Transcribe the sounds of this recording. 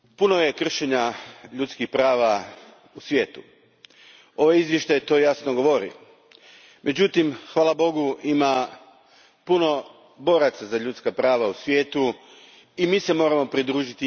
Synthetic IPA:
punoje̞kr̩ʃeɲaʎut̪skixpɾaːʋa | usʋjeːt̪u | o̞ʋaizʋjeʃt̪ajt̪o̞ːjasnoɡo̞ʋo̞ɾḭo | mʔe̞d͡ʑut̪imxʋaːlˠabo̞ɡuima | puno̞ | bo̞ɾat̪sazaʎut̪skapɾaːʋausʋje̞ːt̪u | imise̞mo̞ːɾamo̞pɾid̪ɾuːʒit̪i

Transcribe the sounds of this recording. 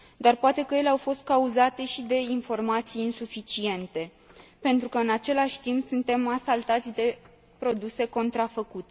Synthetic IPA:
d̪arpoat̪e̞kəje̞leawfo̞st̪̚kauzat̪e̞ʃid̪e̞info̞rmat̪sijinsufit͡ʃie̞nt̪e̞ | pe̞nt̪ɾukəɨnat͡ʃe̞laʃʲt̪impsunt̪e̞masalt̪at̪sʲd̪e̞ | pɾo̞d̪use̞ko̞nt̪ɾafəkut̪e

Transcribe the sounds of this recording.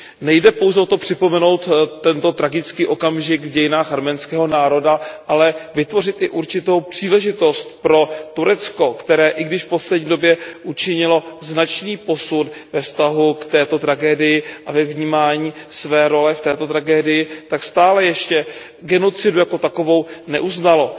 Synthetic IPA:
nɛjdɛpo̞wzɛot̪o̞pr̝̥ɪpo̞mɛno̞wt̪ːɛnt̪o̞t̪ɾaɡɪt͡skiːʔo̞kamʒɪɡvɟɛjɪnaːxɦaɾmɛnskɛːɦo̞naːɾo̞daʔalɛvɪt̪vo̞r̝ɪt̪ɪʔuɾt͡ʃɪt̪o̞wpr̝̥iːlɛʒɪt̪o̞st̪pɾo̞t̪uɾɛt͡sko̞kt̪ɛɾɛːʔɪɡdɪʃfpo̞slɛdɲiːdo̞bjɛʔut͡ʃɪɲɪlo̞znat͡ʃniːpo̞sut̪vɛfst̪aɦukt̪ɛːt̪o̞t̪ɾaɡɛːdɪjɪʔavɛvɲiːmaːɲiːsvɛːɾo̞lɛft̪ɛːt̪o̞t̪ɾaɡɛːdɪjɪt̪akst̪aːlɛjɛʃcɛ | ɡɛno̞t͡sɪdujako̞t̪ako̞vo̞wnɛ̰ʔuznalo̞

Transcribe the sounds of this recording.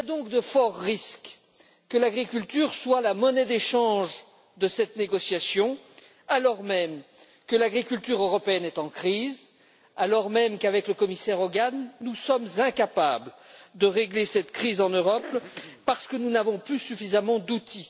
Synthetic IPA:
ad̪ɔ̃kd̪əfɔʁːisk | kːəlaɡʁikʲylt̪yʁswalamɔnɛd̪eʃɑ̃ʒ | d̪əsɛt̪neɡɔsjasjɔ̃ | alɔʁmɛm | kəlaɡʁikʲylt̪yʁøʁɔpeɛnɛt̪ɑ̃kχiz | alɔʁmɛmkavɛkləkɔmisɛʁɔɡanːusɔmzɛ̃kapa̰bld̪əʁeɡlesɛt̪kχizɑ̃nøʁɔpːaʁsə̥kənunavɔ̃plysyfizamɑ̃d̪ut̪ʰi

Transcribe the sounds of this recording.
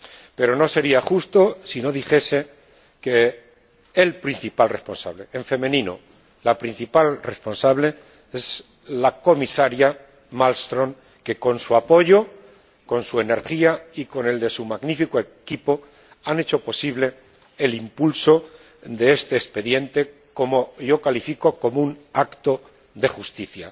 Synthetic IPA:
pe̞ɾo̞no̞se̞ɾiaxust̪o̞sino̞ðixe̞se̞ | ke̞ː | lpɾinθipalrespo̞nsa̰βle̞eɱfe̞mẽ̞nĩno̰ | lapɾin̟θipalre̞spo̞nsaβle̞ | e̞z | lako̞misaɾja | malst̪ɾo̞ŋ | ke̞ko̞nsuapo̞ʝo̞ | ko̞nsue̞ne̞ɾχiaiko̞ne̞ld̪e̞sumaɣnifikoe̞kipo̞ | ane̞t͡ʃo̞po̞siβle̞ː | limpulso̞ | d̪e̞e̞st̪e̞ːspe̞ðje̞nt̪e̞ | ko̞mo̞ʝo̞kalifiko̞ko̞mounakt̪o̞ | ðe̞xust̪iθja̰

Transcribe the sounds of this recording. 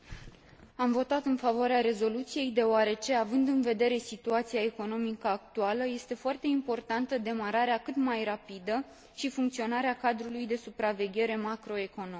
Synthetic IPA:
amvo̞t̪at̪ɨnfavoaɾeaɾe̞zo̞lut̪sije̞jd̪e̞oaɾe̞t͡ʃe̞avɨnd̪ɨnve̞d̪e̞ɾe̞sit̪uat̪siae̞ko̞no̞mikəak̚t̪ualəje̞st̪e̞foart̪e̞impo̞rt̪ant̪əd̪e̞maɾaɾeakɨt̪majrapid̪ə | ʃifuŋkt̪sio̞naɾeakad̪ɾulujd̪e̞supɾave̞ɡʲe̞ɾe̞makɾo̞e̞ko̞no

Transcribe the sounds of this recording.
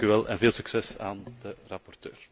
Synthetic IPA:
kyʋɛlˠʔɛ̰nveːlˠsyksɛsa̰ːndərɑpɔrtø̰ːr

